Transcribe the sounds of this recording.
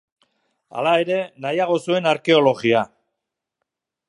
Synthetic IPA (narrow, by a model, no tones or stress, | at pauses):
a̰lae̞ɾe̞najaɣ̞o̞sue̞naɾke̞o̞lo̞ɣia